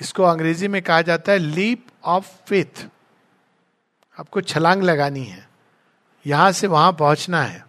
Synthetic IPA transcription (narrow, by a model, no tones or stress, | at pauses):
ɪskoɐ̃ŋɡɾeːzimẽkɐɦad͡ʒaːt̪aɦɛliːp | ɔːfːɪt̪ʰ | aːp̚kot͡ʃʰɐlãːŋɡlɐɡaːniɦɛ̰ː | jɐɦãseʋɐɦãp̬ɐɦʊ̃t͡ʃnaɦɛ̰ː